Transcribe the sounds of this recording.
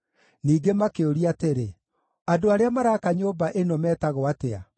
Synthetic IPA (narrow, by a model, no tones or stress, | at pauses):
niːɡemakeoɾiateɾe | adoaɾeamaɾakaɲoːbaʔenɔmɛːtaɣoatea̰